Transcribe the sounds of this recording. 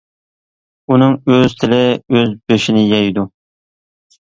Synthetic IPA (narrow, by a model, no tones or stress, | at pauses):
unɨŋøz̥t̪ʰɪlɪøzbøʃinɪjɑjd̪u